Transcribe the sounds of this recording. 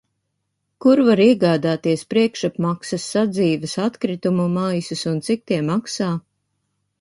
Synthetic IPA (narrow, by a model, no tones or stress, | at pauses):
kuɾvaɾiɛɡaːd̪aːt̪iɛspɾiɛkʃapmaksɐsːad̪ziːvɨsat̪kɾit̪umumajsusunt̪sik̚t̪iɛmaksaː